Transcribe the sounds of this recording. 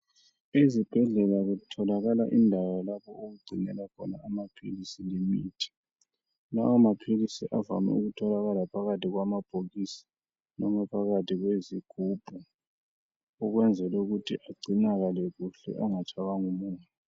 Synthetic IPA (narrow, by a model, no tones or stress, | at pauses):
ezib̥ʱɛɮɛlaɣutʰɔlaɣalaʔindʱawalapʰɔoɣuɡ͡ǀʱinɛlakʰɔnaːmapʰḭlisilimiːtʰi̥ | na̰wamapʰilisiʔava̰mɛ̰uɣutʰɔlaɣalapʰaɣatʰʼiɣwamab̥ʱoɣisḁ | nɔmɛpʰaɣatʰʼiɣweziɡ̥ʱuːb̥ʱu | ɔɣwɛnd͡zʱɛlɛuɣutʰḭʔaɡ͡ǀʱinaɣaleɣuɬɛ̰ʔaŋat͡ʃʼaɣaŋumuːɲɛ